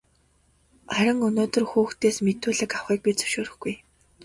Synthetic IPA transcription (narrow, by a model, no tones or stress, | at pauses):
æɾʲɪ̆ŋɵnoːt̪ɵ̆rxuːxt̪eːsmet̪uːɮɘ̆kawχiːk̚pit͡sɵ̥ʃoːɾɘ̆xɡ̥uj